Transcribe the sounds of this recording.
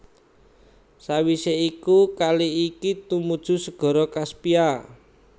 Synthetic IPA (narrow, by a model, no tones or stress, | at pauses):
sawiseikukaliikit̪umud̥ʒ̥ṳsəɡ̥ɔ̤ɾɔkaspia